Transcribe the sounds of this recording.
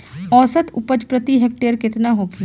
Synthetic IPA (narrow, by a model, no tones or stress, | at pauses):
ɔːsət̪ʊpəd͡ʒpɾət̪iɦeːk̚ʈeːɾkɪt̪naɦoːɡi